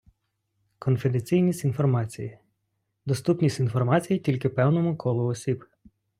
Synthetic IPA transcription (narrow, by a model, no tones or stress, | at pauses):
kɔnfed̪et͡sʲijnʲisʲtʲinfɔrmɑt͡sʲijɪ | d̪ɔst̪upnʲisʲtʲinfɔrmɑt͡sʲijitʲilʲkɪpɛwnɔmʊkʰɔlˠʊɔsʲib